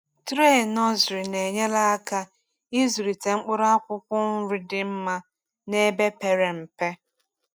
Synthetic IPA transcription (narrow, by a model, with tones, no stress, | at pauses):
tɾe˦˨nɔ˦zɾi˨ne˨ɲe˦la˦a˦ka˦ | i˦zu˨ɾi˨te˨ŋ͡m̩˦k͡pʊ˦ɾa˦kʷʊ˦kʷʊ˦n̩˦ɾi˦dɪ˨m̩˦ma˦ | ne˦be˦pe˨ɾe˨m̩˨pe˦